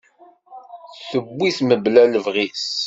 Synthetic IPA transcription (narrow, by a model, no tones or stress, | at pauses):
θəbːiθməblæləvʁis